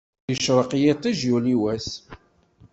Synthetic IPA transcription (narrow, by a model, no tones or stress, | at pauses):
əʃɾˤəqjet̪ˤːiʒjuliwæs